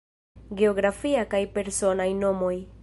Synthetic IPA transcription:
ɡe̞o̞ɡɾafiakajpe̞ɾso̞najno̞mo̞j

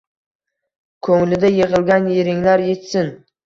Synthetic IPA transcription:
kʰɵŋlɪd̪ajeʁɨlˠɡʲanjeɾɪŋlaɾje̞t̪sɪn

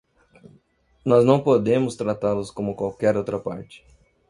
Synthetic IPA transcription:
nɔznɐ̃w̃pod̪ẽmʊst̪ɾat̪alʊskõmʊkwawkɛɾowt̪ɾɐpa̰ɾt͡ʃɪ̥

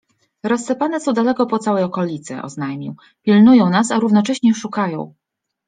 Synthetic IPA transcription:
ɾɔsːɛpanɛsɔ̃w̃d̪alɛkɔpɔt̪sawɛjɔkɔlʲit̪sɛ̰ʔɔ̰znajmʲiw | pʲilnujɔ̃w̃nas̬aɾuvn̪ɔt͡ʂɛɕɲɛʂukajɔ̰̃w̃

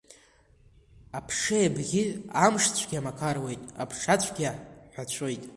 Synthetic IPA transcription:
apʰʂejabɡʲiamʂt͡ɕʷʰɡ̥ʲamakʰarwe̞jtʼa̰pʰʂat͡ɕʷʰɡʲaħʷᶣat͡ɕʷʰojtʼ

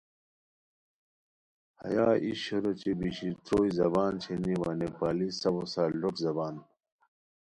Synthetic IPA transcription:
hɐ̰jaːʔiɕoɾot͡ɕebiɕit̪oːizɐbaːnt͡ɕʰeniwaːnepaːlisɐwosaːloʈzɐbaːn

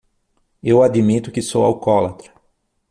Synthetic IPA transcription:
ewad̪imit̪ʊkɪsowa̰wkɔlat̪ɾɐ

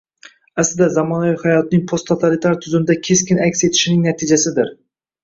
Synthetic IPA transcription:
aslɪd̪azamɒnavijhajɒt̪nɪŋpʰost̪ʰːot̪ʰalit̪ʰaɾt̪ʰʊzɪmɪd̪akʲʰe̞skʲɪnakʲse̞t̪ʰɪ̥ʃɪnɪŋnat̪ʰɪd͡ʒasɪd̪ɪɾ

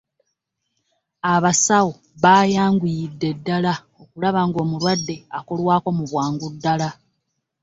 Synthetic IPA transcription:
aβasawo | βaːjaːŋɡujidːe̞dːala | o̞kulaβaŋɡo̞ːmulwadːe̞ako̞lwaːko̞muβwaːŋɡudːala

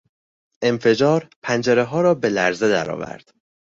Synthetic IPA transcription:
ʔe̞mfe̞d͡ʒɒːɾpʰænd͡ʒeɾeɦɒːɾɒːbe̞læɾze̞d̪æɾɒ̰ːvæ̰ɾd̪̥

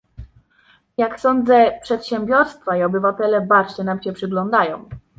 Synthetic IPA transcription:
jaksɔnd̪zɛpʂɛt̪ɕɛmbʲjɔɾst̪faiɔbɘvat̪ɛlɛbaɾt͡ɕɛnamɕɛpʂɘɡlɔnd̪ajɔ̰̃w̃

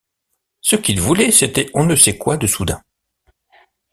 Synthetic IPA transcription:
səkʲilvulɛset̪ɛʔɔ̃nəsɛkwad̪əsud̪ɛ̰̃

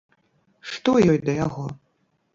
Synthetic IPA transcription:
ʂt̪ɔjɔjd̪ɐjaɣɔ

